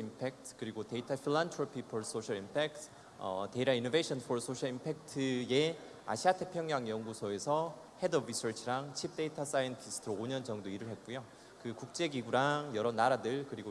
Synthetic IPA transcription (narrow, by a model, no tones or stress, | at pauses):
impʰek̚tʰkɯɾiɡote̞itʰapʰiɭantʰɾopʰipʰoɭs͈oɕʰaɭimpʰek̚tʰ | ʌteiɾainobeɕʰʌnfʰoɭs͈ʰoɕʰʌɭimpʰek̚tʰɯe̞ | a̰ɕʰiatʰepʰjʌŋɲaŋjʌŋɡusʰoe̞sʰʌ | he̞dʌbɾisʰʌɭt͡ɕʰiɾaŋt͡ɕʰip̚t͈e̞itʰas͈ajintʰisʰɯ̥tʰɯɾooɲʌnd͡ʑʌŋdoiɾɯɭɦe̞t̚k͈ujo | kɯkuk̚t͡ɕ͈e̞ɡiɡuɾaŋjʌɾʌnaɾadɯɭkɯɾiɡo